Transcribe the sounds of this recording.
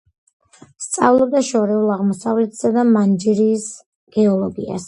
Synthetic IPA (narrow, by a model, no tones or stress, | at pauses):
st̪sʼa̰vlˠɔb̚d̪aʃɔɾɛulˠaʁmɔsavlɛt̪ʰsad̪amand͡ʒiɾiːs | ɡ̥ɛɔlˠɔɡḭa̰s